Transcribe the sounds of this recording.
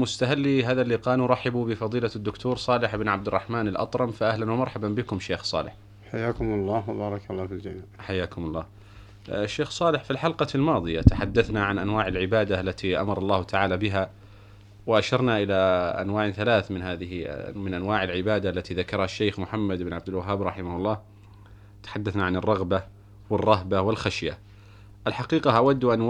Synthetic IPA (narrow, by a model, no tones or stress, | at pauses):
mʊst̪aɦalːiɦaːðalːiːqɑːnuɾˤɑħɪbubɪfɑðˤiːlad̪ːʊkt̪ʰuːɾsˤɑːlɪħɪbnʕab̚d̪ɪrˤːɑħmaːnalʔɑ̰t̪ˤɾˤɑmfaʔahlanwamɑɾˤħabambɪkʊmʃeːxsˤɑ̰ːlɪ̰ħ | ħajːaːkʊmɑlˤːɑːwabɑːɾˤɑkalˤːɑːfɪld͡ʒamiːħajːaːkʊmɑlˤːɑː | ʃːeːxsˤɑːlɪħfilħalqɑlmɑːðˤɨjat̪aħad̪ːaθnaʕanʔanwaːʕalʕɪbaːd̪aʔlːat̪iʔa̰mɑɾˤɑlˤːɑːht̪ʰaʕaːlabɪɦa | wɪʔaʃɑɾˤnaʔɪlaʔa̰nwaːʕnθalaːθmɪnɦaːðɪhmɪnʔanwaːʕɪlʕɪbaːd̪aʔalːat̪iðakɑɾˤɑhaʃːejxmʊħamːad̪ʔɪbɪnʕabd̪ɪlwaɦːaːbɾˤɑħɪmahʊlˤːɑː | t̪ḁħad̪ːaθnaʕanɨrˤːɑɣba | wɪrˤːɑɦbawɪlxaʃja | ʔalħaqiːqɑʔawad̪ːʔan